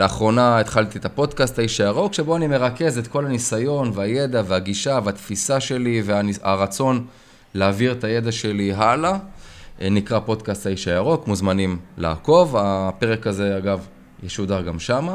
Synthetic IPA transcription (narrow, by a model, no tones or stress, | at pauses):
leaχʁo̞naet̪χalt̪iet̪apo̞d̪kastaiʃajaʁo̞kʃe̞bo̞anime̞ʁake̞zet̪ko̞lanisajo̞nveaje̞d̪aveaɡiʃaveat̪fisaʃe̞liveaa̰ʁat͡so̞n | leːviʁt̪aje̞d̪aʃe̞liɦala | nikʁapo̞d̪kastaiʃajaʁo̞kmuzmanimla̰ːko̞vape̞ʁekaze̞aɡav | jeʃud̪aʁɡamʃama